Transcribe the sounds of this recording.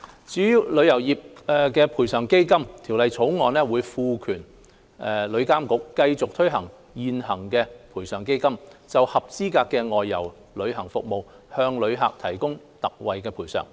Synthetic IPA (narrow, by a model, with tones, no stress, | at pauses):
t͡syː˨˥jiː˨˧wlɵ˨˧ɥjɐ˨˩wjiː˨p̚ːkɛː˧pʰuː˨˩jsœː˨˩ŋke˥jkɐ˥mt̪ʰi˨˩wlɐ˨jt͡sʰo˨˥wŋɔː˨˧nlɛː˥wuː˨˧jfuː˧kʰyː˨˩n | ɛ˨lɵ˨˧ɥkaː˥mkʊ˨˥kːɐ˧jt͡sʊ˨k̚t̪ʰɵ˥ɥɦɐ˨˩ŋ | jiː˨nhɐ˨˩ŋkɛː˧pʰuː˨˩jsœː˨˩ŋke˥jkɐ˥mt͡sɐ˨whɐ˨p̚t͡siː˥kaː˧kːɛː˧ŋɔː˨jːɐ˨˩w | lɵ˨˧ɥɦɐ˨˩ŋfʊ˨k̚mo˨w | hœː˧ŋlɵ˨˧ɥɦa̰ː˨k̚t̪ʰɐ˨˩jkʊ˥ŋ | t̪ɐ˨k̚wɐ˨jkɛː˧pʰuː˨˩sœ̰˨˩ŋ